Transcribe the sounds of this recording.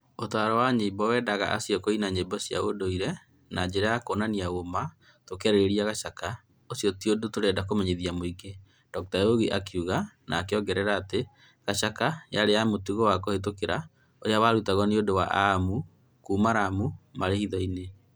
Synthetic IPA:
otaɾɔwaɲeibɔwɛːdaɣa̰ʔa̰siɔkoinaɲeibɔsia̰odoiɾɛ | nad͡ʒɛɾajakoːnaniaɣoma | tokɛɾeɾeɾiaɣaʃaka | osjɔtiodotoɾɛdakomɛɲeðiamoiɡe | d̥ɔk̚taoɣiʔakuɣanʔa̰ːkeɔɡɛɾɛɾaːte | ɣaʃakajaɾeamotuɣowakohet̬okeɾa | oɾeawaɾutaɣɔneodowaʔamu | kuːmaɾamumaɾehiðɔine

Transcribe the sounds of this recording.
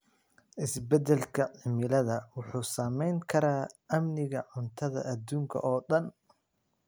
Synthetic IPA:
ʔɪsbɛd̪ɛlkʰɐʕɪmɪlɐðɐwʊħuːsaːmɛjŋkʰɐɾaːʔɐmnɪɣɐʕʊnt̪ʰɐðɐ̰ʔɐd̪uːŋkʰɐ̰ʔɔːɗɐn

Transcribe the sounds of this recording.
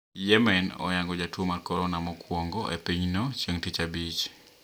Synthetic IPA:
jɛmɛnɔ̰jaŋɡɔd͡ʒatwomarkɔɾɔnamɔkwɔŋɡɔʔepiɲnot͡ʃjeŋtit͡ʃabit͡ʃ

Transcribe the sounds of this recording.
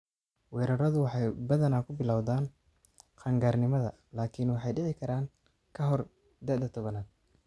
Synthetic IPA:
wɛːɾɐɾɐðʊwɑħɑjbɐðɐnaːkʰʊbɪlawðaːn | qʰɑːŋɡaːrnɪmɐðɐ | laːkʰɪnwɑħɑjɖɪʕɪkʰɐɾaːŋ | kʰɐɦɔr | d̪ɐd̪ɐt̪ʰɔβɐnaːd̪̚

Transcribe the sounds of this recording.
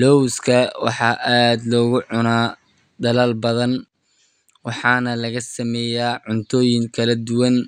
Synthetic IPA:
lɔwskʰɐwɑ̰ħɑːʔaːd̪lɔːɣʊʕʊnaː | d̪ɐlalbɐðɐn | wɑħɑːnɐlɐɣɐsɐmɛːjaːʕʊnt̪ʰɔːjɪŋkʰɐlɐd̪ʊwɐn

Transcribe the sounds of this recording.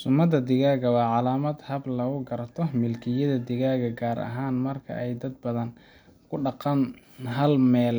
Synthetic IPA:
sʊmɐd̪ɐd̪ɪɣaːɣɐwɑːʕɑlaːmɐd̪hɐblɐɣʊɡɐɾɐt̪ʰɔmɪlkʰɪjɐðɐd̪ɪɣaːɣɐɡaːɾɐ̰ɦaːnmɐrkʰɐ̰ʔɛjd̪ɐd̪̚bɐðɐn | kʰʊɖɑqɑn | ɦɐlmɛːl

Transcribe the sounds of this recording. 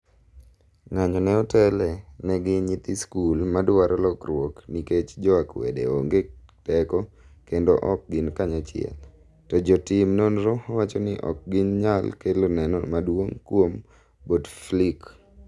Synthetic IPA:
ŋaɲɔnɛɔtɛlɛnɛɡɪɲit̪iskulmadwaɾɔlɔkrwokniket͡ʃd͡ʒɔakwḛdḛo̰ŋɡetɛkɔ | kendo̰ʔɔk̚ɡɪnkaɲat͡ʃɪɛ̰l | tɔd͡ʒɔtɪmnonɾɔɔwat͡ʃɔnɪʔɔ̰k̚ɡɪnɲalkelonɛnɔ̰madwoŋkwom | bodflik

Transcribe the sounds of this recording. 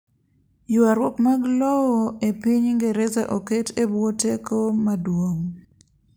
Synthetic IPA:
jʊaɾwopmaɡlɔwɔepiɲŋɡeɾɛzaʔoketebwotekomadwoŋ

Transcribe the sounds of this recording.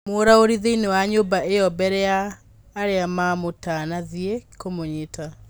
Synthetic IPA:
moːɾaoɾiðeinewaɲoːbaejɔbɛɾɛaː | ɾeamamotanaðiekomoɲeta

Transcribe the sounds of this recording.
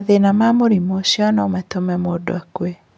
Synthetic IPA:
ðenamamoɾimoɕjɔnɔmɛtomɛmodo̰akwe

